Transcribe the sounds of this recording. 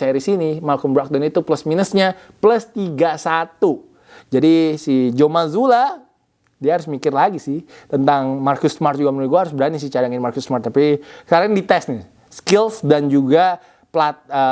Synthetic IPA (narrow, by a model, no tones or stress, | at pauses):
eɾisinimalkəmbɾak̚danit̪upləsminəsɲa | pləst̪iɡasat̪u | d͡ʒadisid͡ʒomazula | diahaɾʊsmikɪrlaɡisɪht̪ənt̪aŋmarkʊsmart̪̚d͡ʒuɡamənuɡuaɦaɾʊsbəɾanis̬ɪt͡ʃadaŋɪnmarkʊsmart̪ːapikaɾaŋdit̪ɛsni | skɪlsdand͡ʒuɡa | plat̪̚ə